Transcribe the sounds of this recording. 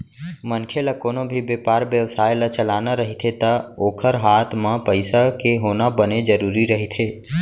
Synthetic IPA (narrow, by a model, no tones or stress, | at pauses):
mənkʰeləkoːnobʱibeːpaːɾʋjəʋsaːjlət͡ʃəlaːnaɾəɦit̪ʰet̪əoːkʰəɾɦaːt̪ʰmãpəɪsakeɦoːnabəned͡ʒəɾuːɾiɾəɦit̪ʰeː